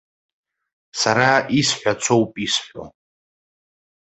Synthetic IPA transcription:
saɾaisħʷᶣat͡sʷʰowpʼisħʷo̰

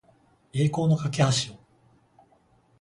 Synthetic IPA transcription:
e̞ːko̞ːno̞kake̞haɕio

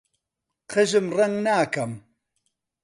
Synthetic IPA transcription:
qʰɨʒɨmrɐŋɡnaːkɐm

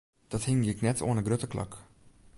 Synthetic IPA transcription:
d̥ɔthɪŋjɪknɛtʰo̰ənəɡrøtəkla̰k

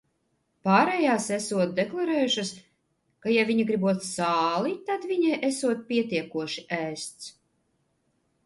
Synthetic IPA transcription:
paːɾɛjaːsæsuɔt̪̚d̪ɛklˠaɾɛːjuʃas | kajaviɲiɡɾibuɔt̪saːlit̪ad̪viɲɛjʔæsuɔt̪̚pʲiɛt̪iɛkuɔʃiʔæːst̪s

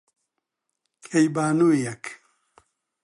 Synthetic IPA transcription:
kʰejbaːnuijak

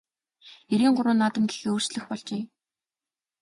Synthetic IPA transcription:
eɾiːŋɢʊɾʊːnːat̪ə̆mɡexeːoːrt͡ɕɮɘ̆xpɔɮt͡ɕeː

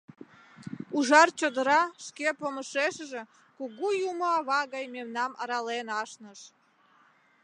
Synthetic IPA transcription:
uʒɑrt͡ɕod̪əɾɑʃkepoməʃeʃʒe | kuɣujumoɑβɑɣɑjmemnɑmɑ̰ɾɑlenɑʃnəʃ

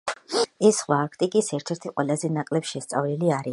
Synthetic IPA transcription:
ɛsːχwaːkʰt̪ʼikʼisɛɾt̪ʰɛɾt̪ʰiqʼwɛlˠazɛnakʼlɛpsʃɛst̪sʼa̰vliliaɾi

